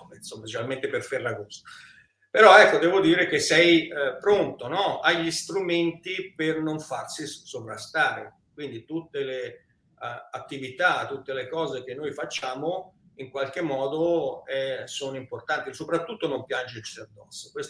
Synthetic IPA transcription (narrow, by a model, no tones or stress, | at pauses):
insomːat͡ʃeɾalment̪eperferlaɡosa | peɾɔɛkːod̪ɛːvod̪iːɾek̟esɛjpɾont̪onɔaʎːist̪ɾument̪ipernoɱfarsisovɾast̪aːɾe | kwind̪it̪ut̪ːele | at̪ːivit̪at̪ːut̪ːelekɔːzek̟enːojfat͡ʃːaːmo | iŋkwalk̟emːɔːd̪oɛsoːnoimport̪ant̪isopɾat̪ːut̪ːonompjand͡ʒet͡ʃiad̪ːɔsːo̥kwes